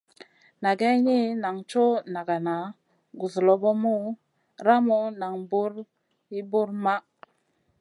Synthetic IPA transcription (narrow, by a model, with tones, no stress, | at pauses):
na˨ɡe˦ɲi˦na˨ŋt͡ʃo˦na˨ɡa˨na˨ | ɡu˨zlo˨bo˦mu˦ | ɾa˦mo˦na˨ŋbu˦ɾ | i˦bu˦ɾma˦